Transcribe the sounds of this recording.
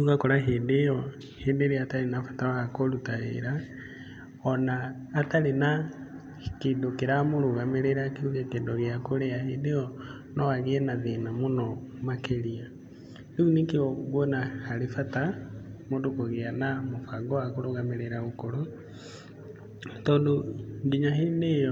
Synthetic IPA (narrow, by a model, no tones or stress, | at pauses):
uɣakoɾaɦedeɔ | hedeɾeataɾenafḁtawaakolutaḛɾa | ɔnaː | talena | kidokeɾamoɾoɣameɾeɾakiuɣekedoɣjakoɾɛahedeɔ | nɔwaɣeɛnaðenamonɔ | makeɾia | deunekeɔɣwɔnahaɾefatamodokoɣeanamofaɡɔakoɾoɣameɾeɾaɣokoɾo | tɔːndoŋɡiɲaɦenejɔ